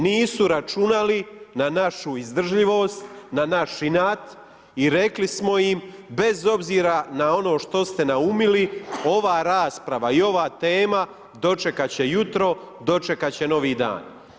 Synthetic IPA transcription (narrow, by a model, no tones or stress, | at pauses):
niːsuɾat͡ʃunalinanaʃuizd̪r̩ʒʎiʋo̞ːst̪nanaʃinaːt̪ | iɾe̞klismo̞jimbe̞zo̞bziːɾanao̞no̞ːʃt̪o̞st̪e̞naumilio̞ʋaːɾaːspɾaʋaio̞ʋaːt̪e̞ːma | d̪o̞t͡ʃe̞kat͡ɕe̞jut̪ɾo̞ | d̪o̞t͡ʃe̞kat͡ɕe̞no̞ʋiːd̪a̰ːn